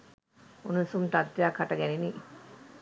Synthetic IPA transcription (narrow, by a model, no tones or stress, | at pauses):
unusumʈ̪ɐd̪ːjaːkʰɐʈɐɡɛnini